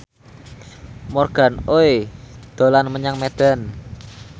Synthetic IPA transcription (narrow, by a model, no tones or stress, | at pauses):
mɔrɡ̥a̤noed̪̥o̤lanməɲaŋmed̪̥a̤n